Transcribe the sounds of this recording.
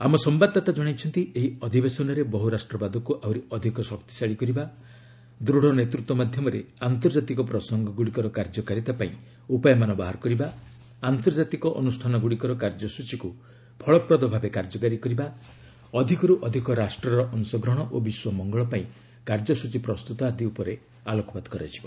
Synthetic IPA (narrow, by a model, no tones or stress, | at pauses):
amɔsɔmbad̪̚at̪ad͡ʒɔɽ̃ajt͡ʃʰɔnt̪iʔeɦiɔd̪ʱibesɔnɔɾebɔɦuɾasʈɾɔbad̪ɔkuʔawɾiɔd̪ʱikɔsɔkt̪i̥saɭikɔɾiba | d̪ɾuɽ̤ɔnet̪ɾut̪wɔmad̪ʱjɔmɔɾḛant̪ɔɾd͡ʒat̪ikɔpɾɔsɔŋɡɔɡuɽikɔɾɔkaɾd͡ʒɔkaɾit̪apaĩ | upajɔmanɔbaɦaɾɔkɔɾiba | ant̪ɔɾd͡ʒat̪ikɔʔɔnusʈʰanɔɡuɽikɔɾɔkaɾd͡ʒɔsut͡ʃiku | pʰɔɭɔpɾɔd̪ɔbʱabekaɾd͡ʒɔkaɾikɔɾiba | ɔd̪ʱikɔɾuʔɔd̪ʱikɔɾasʈɾɔɾɔʔɔnsɔɡɾɔɽ̃ɔʔobiswɔmɔŋɡɔɭɔpaĩ | kaɾd͡ʒɔsut͡ʃipɾɔst̪ut̪ɔad̪iupɔɾe | alɔkɔbad̪ɔ̥kɔɾa̰jd͡ʒʰibɔ